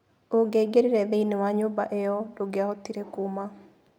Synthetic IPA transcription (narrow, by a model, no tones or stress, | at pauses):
oŋɡeɡeɾiɾɛðeinewaɲobaʔejɔdoɡeaotiɾekuma